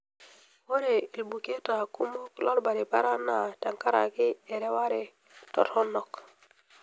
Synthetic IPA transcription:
wo˦ɾe˨i˨lbu˨ke˦ta˨ku˦mo˦klo˦lba˨ɾi˨pa˦ɾa˦nːa˨ta˨ŋka˦ɾa̰˨ki˦e˨ɾe˦wa˦ɾe˨ | to̰˨thɔ˦nːɔ˨k

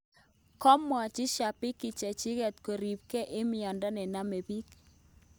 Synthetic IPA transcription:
kɔ˦mwa˨t͡ʃɪ˦ʃa˨pɪ˦kɪ˨t͡ʃɛ˨t͡ʃɪ˦ɣɛ˨t̪ko˨ɾi˨p̚kɛ˦ʔɪ˦mɪ˨ɔ˨nda˦nɛ˨na˦me˨bi˦k

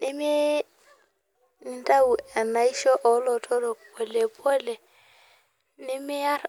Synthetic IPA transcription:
nɪ˦mɪ˦ | n˨˦tʼa˦u˨ɛ˨na˨i˦ʃɔ˦ʔɔ˨˦lɔ˨tʰɔ˦dɔ˨pɔ˨le˨pʰʼɔ˦lɛ˨ | nɪ˦mɪ˦a˦ɾ

